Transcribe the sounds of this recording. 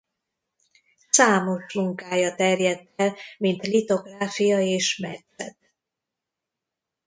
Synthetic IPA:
saːmo̞ʃmuŋkaːjɒt̪ɛrjɛt̪ːɛlmint̪lit̪o̞ɡraːfijɒeːʃmɛt̪sɛt̪̚

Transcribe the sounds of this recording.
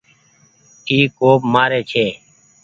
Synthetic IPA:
ʈʰiːkːoːbmaːɾeːt͡ʃʰeː

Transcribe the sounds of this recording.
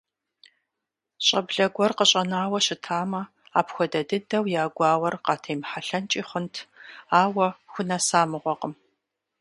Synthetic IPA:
ɕʼɐbɮɐɡʷɔrqəɕʼɐnaːwɐɕɪtʰaːmɐ | aːpxʷɔdɐdɨdɐwjaːɡʷɑːwɐrqɑːtʰejmħaɬɐnt͡ʃʼiːχʷəntʰaːwɐxʷʊnɐsaːmɨʁʷɔqəm

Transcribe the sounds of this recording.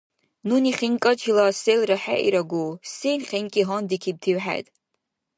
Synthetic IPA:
nuniχʲinkʼat͡ʃʰilaselraħa̰ʔḭɾaɡʷusenχʲinkʲʼiɦɔndikʲʰib̚tʰiwħa̰jtʼ

